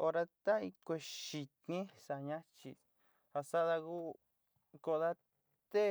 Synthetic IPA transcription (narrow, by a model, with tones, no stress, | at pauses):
o˧ɾa˧t̪a˦i˧kʷe˧ʃi˧t̪nĩ˦sa˨ɲã˦t͡ʃi˧ | ha˧sa˦ða˧ɣu˦ | ko˧ða˦ | t̪e˦